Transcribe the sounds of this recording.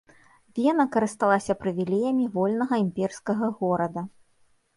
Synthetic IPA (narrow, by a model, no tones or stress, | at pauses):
vʲɛnɐkɐɾɨst̪alˠasʲɐpɾɨvʲilʲejɐmʲivɔlʲnɐɣɐimʲpʲɛrskɐɣɐɣɔɾɐd̪ɐ